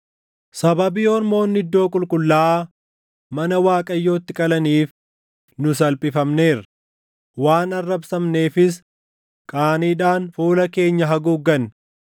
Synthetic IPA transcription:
sɐbɐbiːɔɾmo̞ːnːɪd̪ːo̞ːkʼʊlkʼʊlːaːʔaː | mɐnɐwaːkʼɐjːo̞ːt̪ːɪkʼɐlɐniːf | nʊs̬ɐlpʼɪfɐmne̞ːɾɐ | waːnɐrːɐbsɐmne̞ːfɪs̬ | kʼaːniːᶑaːnfuːlɐke̞ːɲːɐɦɐɡuːɡɐn

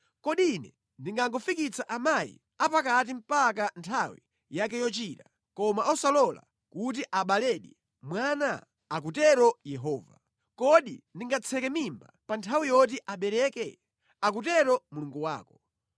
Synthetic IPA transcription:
kɔɗinɛ | ndiŋɡaŋɡɔfikit͡sʰaʔamajḭ | apakat̬im̩pak̬antʰawḭ | jak̬ɛjɔt͡ʃiːta | kɔmaʔɔsalɔla̰ | kut̬iʔaɓalɛɗi | mwaːna | ak̬utɛɾɔjɛɦɔːva | kɔɗḭndiŋɡat͡sʰɛkɛmimba̰pantʰawijɔt̬iʔaɓɛɾɛːkɛ | ak̬utɛɾɔmuluŋɡuwa̰ːkɔ̥

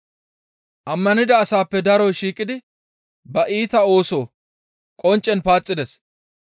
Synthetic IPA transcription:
ʔɐmːɐnɪd̪ɐːsaːpːɛd̪ɐɾɔːʃiːkʼɪd̪ɪ | bɐʔiːt̪ɐo̞ːso̞ː | kʼɔnt͡ʃʼːɛnpaːt͡sʼːɪd̪ɛs

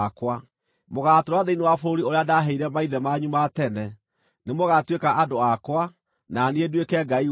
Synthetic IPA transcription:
kwa | moɣatoɾwaðeinewafoɾoɾioɾeadaɦɛiɾɛmaiðɛmaɲumatɛnɛ | nemoɣatwekaʔadoakwa | naneedwekɛɡai

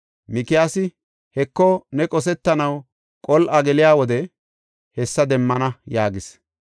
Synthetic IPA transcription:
mɪkɪjaːsɪ | hɛkːɔnɛkʼɔs̬ɛt̪ːɐnɐw | kʼɔlʔɐɡɛlɪjaːwɔd̪ɛ | hɛsːɐd̪ɛmːɐnɐjaːɡɪs

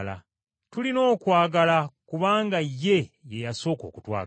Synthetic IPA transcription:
la̰ | tulino̞ːkwaːɡalakuβaːŋɡajːe̞je̞jaso̞ːko̞̰ːkutwa̰ː

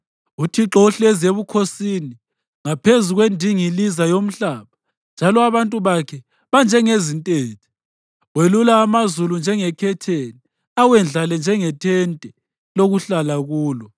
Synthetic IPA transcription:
utʰiǁɔuɬɛzeβukʰosini | ŋapʰezuɣwendʱiŋilizajom̩ɬaːβa | nd͡ʒʱalɔaβantʼuβakʰɛ | βand͡ʒʱɛŋezintʼeːtʰi̥ | welulaːmazulund͡ʒʱɛŋɛkʰɛtʰeni | awɛnd͡ɮʱalɛnd͡ʒʱɛŋɛtʰɛntʼɛ | loɣuɬalaɣuːlɔ

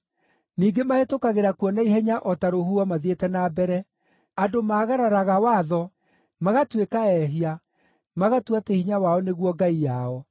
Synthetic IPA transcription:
niːɡemahetokaɣeɾakwɔnaiɦɛɲaʔɔtaɾohuamaðietɛnabɛɾɛ | adomaːɣaɾaɾaɣawaðɔ | maɣatwekaɛɦia | maɣatwatehiɲawaɔneɣwɔɡaijaɔ

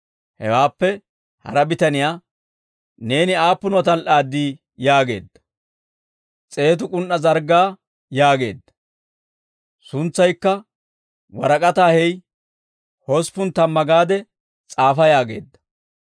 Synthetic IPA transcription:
hɛ̰waːpːɛ | hɐ̰ɾɐbɪt̪ɐnɪjaː | ne̞ːnɪaːpːʊnɐt̪ɐlʔaːd̪ːiː | jaːɡe̞̰ːd̪ːɐ̥ | t͡sʼe̞ːt̪̬ʊkʼʊnʔɐzɐɾɡaː | jaːɡe̞̰ːd̪ːɐ̥ | sʊnt͡sːɐjkːɐ | wɐɾɐkʼɐt̪aːhɛj | hɔspʊnt̪ɐmːɐɡaːd̪ɛ | t͡sʼaːfɐjaːɡe̞̰ːd̪ːɐ̥

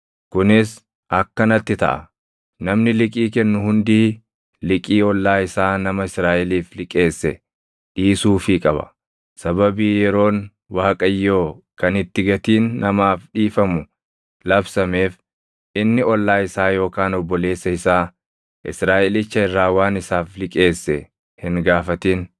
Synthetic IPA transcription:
kʊnɪs | ɐkːɐnɐt̪ːɪt̪ɐ̰ʔɐ̰ | nɐmnɪlɪkʼiːkɛnːʊhʊnd̪iː | lɪkʼiːɔlːaːɪsaːnɐmɐɪsɾaːʔɛliːflɪkʼe̞ːsːɛ | ᶑiːsuːfikʼɐbɐ̰ | sɐbɐbiːjɛɾo̞ːn | waːkʼɐjːo̞ːkɐnɪt̪ːɪɡɐt̪iːnːɐmaːfᶑiːfɐmʊ | lɐbsɐme̞ːf | ʔɪnːɪɔlːaːɪsaːjo̞ːkaːnɔbːɔle̞ːsːɐɪsaː | ʔɪ̰sɾaːʔɛlɪt͡ʃːɐɪrːaːwaːnɪsaːflɪkʼe̞ːsːɛ | hɪŋɡaːfɐt̪iːn

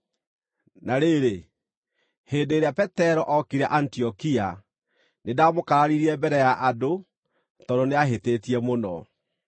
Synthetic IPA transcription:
naɾeɾe | hendeːɾeapɛtɛɾɔʔɔkiɾɛʔantiɔkia | nedamokaɾaɾiɾiɛbɛɾɛjaʔado | tɔdoneaɦetetiɛmonɔ̰

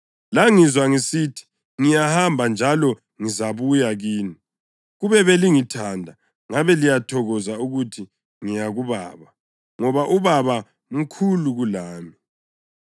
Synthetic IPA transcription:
laŋizwaŋisitʰi̥ | ŋijahambʱand͡ʒʱalɔ | ŋizaβujaɣiːni | ɣuβɛβeliŋitʰandʱa | ŋaβɛlijatʰɔɣɔzauɣutʰi | ŋijaɣuβa̰ːβa | ŋɔβaʔuβaβa | m̩kʰuluɣulaːmi

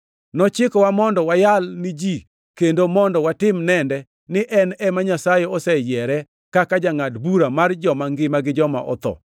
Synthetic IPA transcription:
nɔt͡ʃɪkɔwamɔndɔwajalnɪd͡ʒi | kendomɔndɔwatɪmnɛndɛ | nɪʔɛnɛmaɲasajɛɔsɛjɛɾɛ | kakad͡ʒaŋadbuɾamard͡ʒɔmaŋɡɪmaɡɪd͡ʒɔma̰ʔɔ̰t̪ɔ̰

